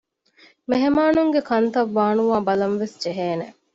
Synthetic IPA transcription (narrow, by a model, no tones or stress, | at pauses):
meɦemaːnuŋɡekɐnt̪ɐʋːaːnuʋaːbɐlɐmʋesd͡ʒeɦeːne